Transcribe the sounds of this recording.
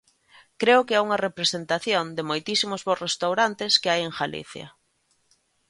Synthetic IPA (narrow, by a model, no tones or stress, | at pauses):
kɾeʊkeauŋɐrepɾesent̪aθjond̪ɪmojt̪isimʊzβorest̪awɾant̪ɪskɪajeŋxalḭθjɐ̰